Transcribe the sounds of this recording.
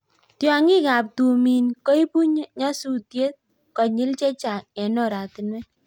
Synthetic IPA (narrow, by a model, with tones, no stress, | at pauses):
tjɔ˦ŋi˦ka˨p̚tu˨mi˨nkɔ˦i˦pu˦ɲ˦ɲɔ˦su˨tje˦t̚ | kɔ˨ɲɪ˦lt͡ʃe˦t͡ʃa˨ɛ˨nɔ˦˨ɾa˨tɪ˨nwɛ˦